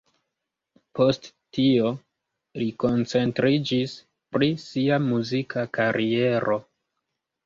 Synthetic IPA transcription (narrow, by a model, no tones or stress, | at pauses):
pʰo̞st | tio̞ | liko̞nt͡se̞ntɾid͡ʒis | pɾisiamuzikʰakaɾʔie̞ɾʔo̞